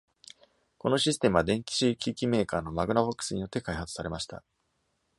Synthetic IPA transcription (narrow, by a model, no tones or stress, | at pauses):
ko̞no̞ɕisɨ̥t̪e̞mɯ̟βad̪ẽ̞ŋkʲi̥ɕikʲiːkʲime̞ːkaːno̞maɡɯ̟nabokːɯ̥sɨɲ̟ijo̞t̪ːe̞kaihat͡sɨ̥saɾe̞maɕi̥t̪a̰